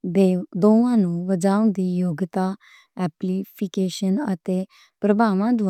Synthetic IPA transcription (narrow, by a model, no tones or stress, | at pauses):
d̪ed̪õʋãnuʋəd͡zaw̃nd̪ijoɡt̪a | æplifikeɕənə̰t̪e | pɾəbʱamãd̪uʋ